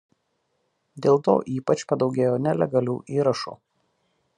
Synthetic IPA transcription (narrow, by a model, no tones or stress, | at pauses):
d̪ʲeːlˠt̪o̰ːʔiːpɐt͡ʃpɐd̪ɒʊɡʲeːjoːnʲɛlʲɛ̰ɡɐlʲuːʔiːɾɐʃṵː